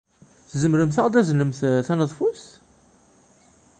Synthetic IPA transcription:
θzəmɾəmθɑʁd̪æznəmθθænəðˤfus

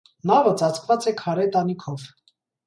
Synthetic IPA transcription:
nɑvət͡sɑt͡sʰkvɑt͡sɛkʰɑɾɛt̪ɑnikʰɔv

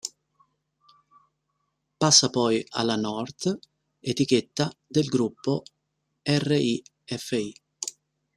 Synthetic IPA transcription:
pasːapɔja̰lːanɔrt̪ | et̪ik̟et̪ːad̪elɡɾupːo | ɛrːeʔi | ɛfːei

